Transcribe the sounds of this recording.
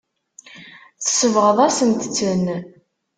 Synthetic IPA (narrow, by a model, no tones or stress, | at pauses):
θə̥səvʁəðˤæsənt̪t͡sːən